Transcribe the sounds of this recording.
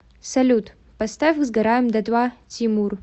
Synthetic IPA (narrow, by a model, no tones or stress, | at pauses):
sɐlʲut̪ʼ | pɐst̪afkzɡɐɾajmd̪ɐt̪ʼwatʰimur